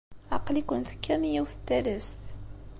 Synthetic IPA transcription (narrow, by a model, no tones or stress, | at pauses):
ɑ̰qlikʷənθə̥kʰːæmijiwθə̥t̪ːæləst̪